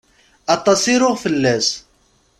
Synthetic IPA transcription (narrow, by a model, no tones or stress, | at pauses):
ʔɑt̪ˤːɑsˤiɾʊʁfəlːæz